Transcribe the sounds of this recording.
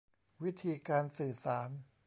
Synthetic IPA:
wi˦˥t̪ʰiː˧kaː˧nsɯː˨˩saː˩˦n

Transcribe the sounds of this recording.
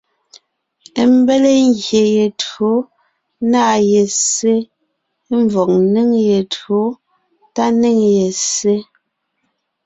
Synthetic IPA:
m˦be˦le˦ŋɡje˨je˨tɰo˨˦ | naː˦˨je˨se˦ | ɱ˦vɔ˨k̚ne˦ŋje˨tɰo˨˦ | ta˦ne˦˨ŋje˨se˦

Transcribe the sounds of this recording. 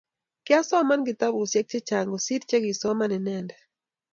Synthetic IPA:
kɪ˦a˦sɔ˦ma˦nɡɪ˨t̪a˦bo˨sjɛ˦k̚t͡ʃɛ˦t͡ʃa˨ŋɡɔ˨si˦tt͡ʃɛ˦ɡɪ˨sɔ˦ma˦nɪ˨nɛndɛ˨

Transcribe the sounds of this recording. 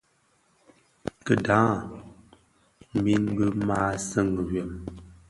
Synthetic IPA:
kə˨dãː˨˦˨ | mi˦n˦bə˦maː˦sə˦˨ŋ˨wɥe˨m

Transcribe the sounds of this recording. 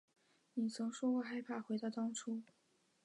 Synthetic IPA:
ni˨˩t͡sʰɤ˧˥ŋʂwɔ˥kwɔ˥˧xa˥ɪpʰa˥˩xwe˧˥ɪt̪ɑ˥˩ʊt̪ɑ˥ŋʈ͡ʂʰu˥

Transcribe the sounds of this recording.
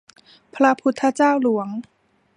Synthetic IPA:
pʰɾa˧˥pʰu˧˥t̪ʰːa˧t͡ɕaː˥˩wlu˩˦ɐŋ

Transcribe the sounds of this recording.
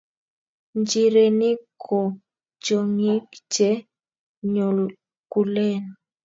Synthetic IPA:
nd͡ʒi˨ɾe˨ni˦kʰɔ˨ | t͡ʃo˨ŋi˦bt͡ʃɛ˦ | ɲɔ˨l | ku˨lɛ˦˨n˨

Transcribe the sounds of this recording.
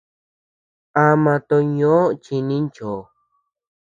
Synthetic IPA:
a˧mã˧t̪o˧ɲõ˦t͡ʃi˧nĩ˦nt͡ʃo˨

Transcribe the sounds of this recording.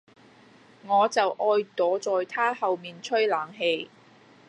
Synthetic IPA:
ŋɔː˨˧t͡sɐ˨wʔɔː˧jt̪ɔː˨˥t͡sɔː˨jt̪ʰaː˥hɐ˨wmiː˨nt͡ʃʰɵ˥ɥlaː˨˩ŋɦe˧j

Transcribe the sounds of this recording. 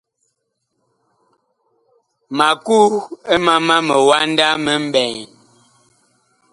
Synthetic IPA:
ma˨ku˦e˦ma˦ma˦mə˨wa˦n˦da˦mə˦m̩˦bɛ˨ŋ

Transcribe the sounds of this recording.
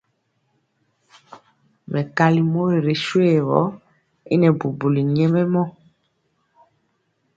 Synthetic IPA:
mɛ˨ka˦li˦mo˦ɾe˨ɾe˨ʃwe˦˨wɔ̰˨˦ | ḭ˦nɛ˨bu˨bu˨li˨ɲɛ˦mɛ˦mɔ˦

